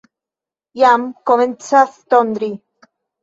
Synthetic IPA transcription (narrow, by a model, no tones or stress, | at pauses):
jamkoment͡saθt̪ond̪ɾi